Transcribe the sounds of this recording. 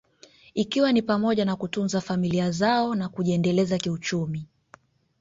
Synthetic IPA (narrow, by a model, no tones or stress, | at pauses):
ikiwanipamɔʄanakutunzafamiliazaɔnakuʄiɛndɛlɛzakiut͡ʃumi